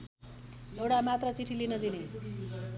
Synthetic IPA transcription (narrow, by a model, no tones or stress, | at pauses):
ewɽamat̪rʌt͡siʈʰilinʌd̪ine